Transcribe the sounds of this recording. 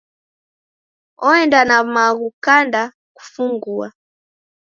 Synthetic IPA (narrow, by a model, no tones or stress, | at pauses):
ɔɛndanamaɣukanda | ku̥fuŋɡua̰